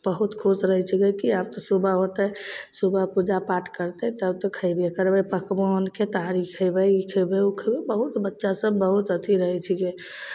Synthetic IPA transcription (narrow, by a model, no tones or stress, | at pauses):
bəɦut̪kʰusɾəɦɛt͡ʃʰikekiab̚t̪ɔsubʱaɦot̪əsubʱapud͡ʒapaʈʰkəɾt̪ɛt̪əbt̪ɔkʰəɪbekəɾbəpəkbonket̪aɾikʰəbəikʰəbeukʰəbebəɦut̪bətːʃasəbːəɦut̪ət̪ʰiɾəɦɛt͡ʃʰike